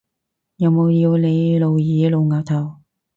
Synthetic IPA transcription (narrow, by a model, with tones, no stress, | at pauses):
jɐ˨˧wmo˨˧wjiː˧wle˨˧jlo˨˧wjiː˨˧˥lo˨˧wŋaː˨˩t̪ʰɐ˨˩w